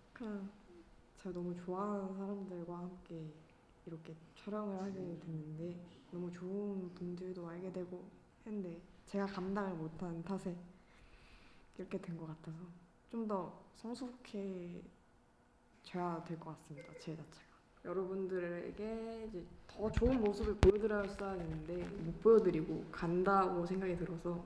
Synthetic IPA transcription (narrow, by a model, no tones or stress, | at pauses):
ka | t͡ɕenʌmut͡ɕoansʰaɾamdɯɭɡwahamk͈e̞ | iɾʌkʰe̞t͡ɕʰʌɾjʌŋɯɭhaɡedwenːɯnde̞nʌmut͡ɕoɯnpundɯɾdoaɭɡe̞dwe̞ɡo | hende̞t͡ɕe̞ɡakamdaŋɯɭmotʰantʰasʰe̞ | iɾʌkʰe̞dwe̞nɡʌk͈atʰasʰʌ | t͡ɕomdʌsʰʌŋsʰokʰe̞ | t͡ɕeadwe̞ɭk͈ʌk͈as͈ɯmɲidat͡ɕed͡ʑat͡ɕʰeɡ̥ḁ | jʌɾʌbundɯɾɾḛɡe̞id͡ʑe̞tʌt͡ɕoɯnmosʰɯbɯɭkojʌdɯɾʌjʌsʰisajadwenɯnde̞mop͈oʌdɯɾiɡokandaɡosʰe̞ŋɡaɡitɯɾʌsʰʌ